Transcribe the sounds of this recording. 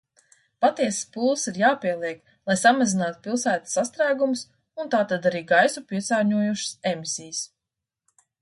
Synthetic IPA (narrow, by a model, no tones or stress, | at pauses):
pat̪iɛsspulˠsiɾjaːpiɛlˠiɛk | lˠajsamazinaːt̪u̥pilˠsæːt̪ḁsast̪ɾæːɡumus | unt̪aːt̪ad̪aɾiːɡajsupiɛtsaːɾɲuɔjuʃə̥sɛmisijs